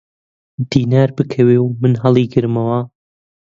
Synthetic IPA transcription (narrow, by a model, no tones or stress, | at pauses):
d̪̥iːnaːɾbɨkʰɐweːwmɨnɦɐlˠiːɡɨɾmɐwɐ